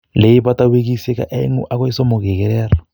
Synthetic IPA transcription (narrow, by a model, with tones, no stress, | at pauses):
le˨i˦bata˦we˦k̬i˦sɛ˦ka̰˨ʔɛ˦ŋṵ˦ʔa˦kɔ˦i˦sɔ˦mʊ˨kɛ˨k̬ɛ˨lɛː˦rɔ